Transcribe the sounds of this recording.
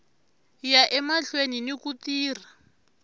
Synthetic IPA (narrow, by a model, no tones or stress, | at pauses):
jaʔɛmaɬweninikutiːr̤a